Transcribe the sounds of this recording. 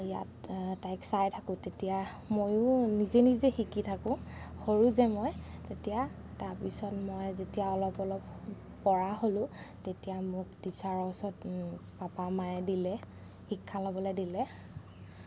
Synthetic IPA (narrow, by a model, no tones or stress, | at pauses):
ija̰ttːajksajtʰakʊ̃tetija | mojʊnizenizexikitʰakʊ̃xoɹuzɛmɔjtetija | taɹpisɔtmɔjzetijaɔlɔpɔlɔpː | ɔɹaɦolʊ̃tetijamʊkdisaɹɔsɔtpapamajdilɛ | xikʰːalabɔlojdilɛ